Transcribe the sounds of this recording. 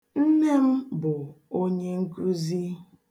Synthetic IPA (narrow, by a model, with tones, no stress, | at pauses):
n̩˦ne˦m̩˦bʊ˨o˦ɲe˦ŋ̩˦kɾu˦zi˦